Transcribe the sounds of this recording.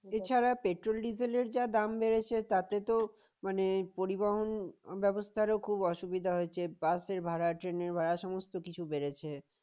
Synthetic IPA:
et͡ɕʰaɾapeʈɾolɖizeleɾd͡ʑad̪ambeɾet͡ɕʰet̪at̪et̪o | manepoɾibaɦonbɛbost̪ʰaɾokʰubɔʃubid̪ʱaɦoet͡ɕʰebaseɾbʱaɽaʈɾeneɾbʱaɾaʃɔmost̪okit͡ɕʰubeɾet͡ɕʰe

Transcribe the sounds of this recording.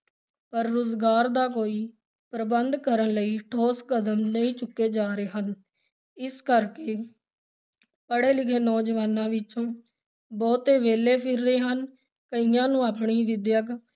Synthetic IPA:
pəɾːoːzɡaːɾd̪aːkoːiː | pɾəbənd̪kəɾənləiːʈʰoːskəd̪əmnəĩːt͡ʃʊkːeːd͡ʒaːɾeːɦən | ɪskəɾkeː | pəɽeːlɪkʰeːnɔːd͡ʒəʋaːnãːʋɪt͡ʃõː | bɔːt̪eːʋeːleːpʰɪɾːeːɦən | kəiːjãːnũːaːpɳiːʋɪd̪jək

